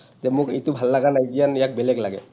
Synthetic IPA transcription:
zɛmʊkḛtubʱalːaɡanajdijanjak̚bɛlɛɡlaɡɛ̰

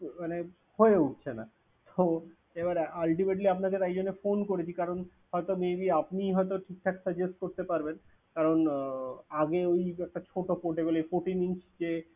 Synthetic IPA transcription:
mane | hoeuʈ̚t͡ɕʰena | t̪o | ebaɾalʈimeʈ̬liapnaket̪ajd͡ʑonːefonkoɾet͡ɕʰikaɾon | hɔet̪omebiapniɦɔet̪̬oʈʰik̚ʈʰake̥səɡd͡ʑesʈ̚koɾt̪epaɾben | kaɾon | aɡeojɛk̚ʈat͡ɕʰoʈopoʈebolejpoʈiniŋsd͡ʑe

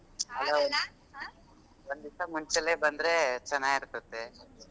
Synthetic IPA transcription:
ɦɐloː | ʋond̪isɐmuɲt͡ʃelebɐnd̪ɾet͡ʃɐnːaːɡiɾt̪ɐt̪ːe

